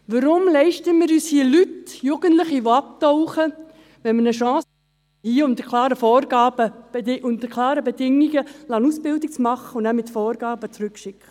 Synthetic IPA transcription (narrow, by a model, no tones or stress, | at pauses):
ʋəɾʊmlɛɪʃtəmɪːɾyːshiəlytjuɡ̥əntləχiʋoɑp̚tɔʊχə | ʋɛnmənəʃɑ̃ːs | hiəʊnt̪əkʰlɑːɾəfɔːrɡɑːb̥ə̥ɪʔʊnt̪əkʰlɑːɾəbedɪŋːiɡəlɑnusb̥ɪldik̚t͡smɑχəʊnæmɪtfɔːɾɡ̥ɑːbət͡sɾʉkʃɪkʰχə